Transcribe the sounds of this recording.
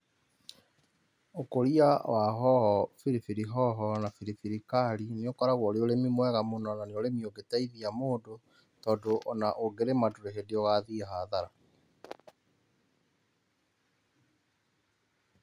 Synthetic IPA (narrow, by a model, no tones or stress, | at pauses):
okoɾiawaɦɔhɔfiɾifiɾiɦɔɦɔnafiɾifiɾikaɾineokɔɾaɣwɔɾeoɾemimwɛɣamonɔnaneoɾemioɡetaiðiamoːndo | tɔːdoʔɔnaʔoɡeɾemadoɾehedeɔɣaðiɦaðaɾa